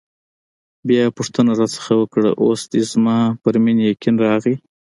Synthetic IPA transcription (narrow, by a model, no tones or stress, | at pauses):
bjɑpʊʂt̪ənaɾɑsə̥xawəkɽa̰ʔosd̪ezmɑpəɾminjekinɾɑɣi